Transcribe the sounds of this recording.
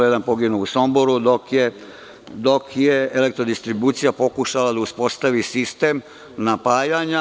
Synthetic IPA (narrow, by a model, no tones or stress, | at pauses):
ed̪anpo̞ɡinuusomboɾud̪okje | d̪o̞kjeele̞kt̪ɾo̞d̪ist̪ɾibuːt̪sijapo̞kuʃalad̪auspo̞st̪aʋisist̪e̞m | napaːjaɲa